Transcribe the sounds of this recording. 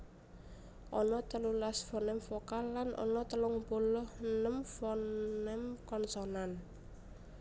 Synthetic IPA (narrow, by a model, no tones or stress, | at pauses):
ʔɔnɔt̪əlulasfɔnɛmfɔkalːanʔɔ̰nɔt̪əlʊŋbolɔhnəmfɔnɛmkɔnsɔnan